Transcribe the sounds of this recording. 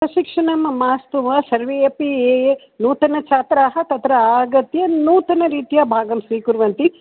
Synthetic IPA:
pɾɐʃikʂɐɳɐmɐmaːst̪uʋɐsɐɾʋeepieːe | nuːt̪ɐnɐt͡ʃaːt̪ɾaːɦɐt̪ɐt̪ɾɐaːɡɐt̪jɐnuːt̪ɐnɐɾiːt̪ijɐbʱaːɡɐmsiːkuɾʋɐnt̪i

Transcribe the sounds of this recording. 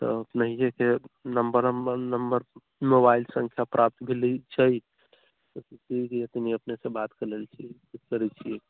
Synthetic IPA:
t̪ɔ̰əpnəɦijekenəmbəɾəmnəmbəɾ | mobailsə̃ŋkʰjapɾʔap̚t̪bʱelit͡ʃʰəj | tiket̪niəpnesẽbat̪keləlt͡ʃʰikukəɾɛt͡ʃʰie

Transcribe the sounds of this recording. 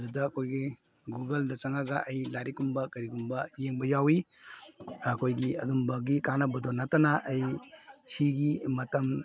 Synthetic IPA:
dudɐːkʰojɡi | ɡuɡeldɐt͡ʃɐŋaɡɐʔɐjlaɾikumbɐkɐɾiɡumbɐjeŋbɐjawi | ɐkʰojɡiɐ̰dumbɐɡikanɐbɐdonatɐnaʔːjsiɡimɐtɐm

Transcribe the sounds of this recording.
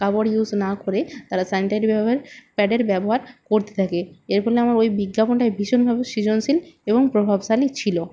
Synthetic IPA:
kaboɽjuznakoɾet̪aɾasaniʈaɾibɛbɦeɾpɛɖeɾbɛboɦaɾkoɾt̪e̥t̪ʰakeeɾpɔleamaɾojbiɡːaponʈaebʱiʃonbʱabeʃid͡ʑonsileboŋpɾobʱabʃalit͡ɕʰilo

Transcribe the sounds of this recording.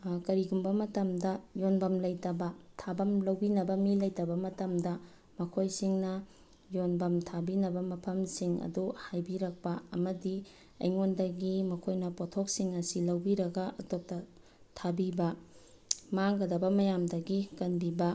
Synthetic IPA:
kɐɾiɡumbɐmɐtɐmdɐjonbɐmlɐjtɐbɐtʰabɐmlɐwbinɐbɐmilɐjtɐbɐmɐtɐmdɐ | mɐkʰojsiŋnɐ | jonbɐmtʰabinɐbɐmɐpʰɐmsiŋɐ̰duhajbiɾɐk̚pɐɐ̰mɐdi | ɐ̰jŋondɐɡimɐkʰojnɐpotʰok̚siŋɐsilɐwbiɾɐɡɐɐtop̚tɐ | tʰabibɐ | maŋɡɐdɐbɐmɐjamdɐɡikɐnbibɐ

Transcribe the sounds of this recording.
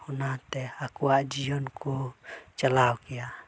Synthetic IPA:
unat̪ɛakuaʔd͡ʒiɔnkut͡ʃalaukia

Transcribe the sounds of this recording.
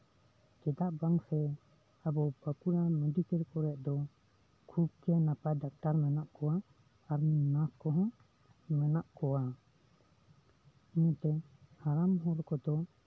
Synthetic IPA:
kɛd̪aʔbaŋsɛ | abɔbakuɾamud̪ikɛɾkɔɾɛʔ̚d̪ɔ | kʰub̚kɛnapaɖak̚ʈaɾmɛnaʔkɔwaː | ɾninaskɔɦɔ̃ | mɛnaʔkɔwa | iɲit̪ɛhaɾamɦɔɾkɔd̪ɔ

